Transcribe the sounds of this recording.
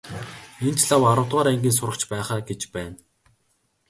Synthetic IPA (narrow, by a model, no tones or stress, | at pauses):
ent͡ɕɮawaɾʊ̆wʰt̪ʁaːɾæŋɡʲiːns̬ʊɾə̆kt͡ɕpæːχaːɡet͡ɕpæːn